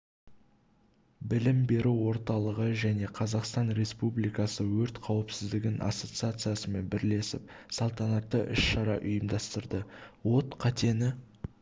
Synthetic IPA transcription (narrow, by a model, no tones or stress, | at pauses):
bɪlɪmbe̞ɾuwo̞ɾt̪ɑlˠəʁəʒæne̞qʰɑzɑqst̪ɑnɾe̞spublijkɑsəwɵɾt̪qʰɑwəpsɪzd̪ɪɡʲɪnʔɑ̰so̞t̪sɨat̪sɨjasəme̞nbɪɾle̞sɪ̰p̚sɑlˠt̪ɑnɑt̪ːəʔʏʃʃɑɾɑʔʊjəmd̪ɑst̪əɾd̪əwo̞t̪qʰɑt̪e̞nɪ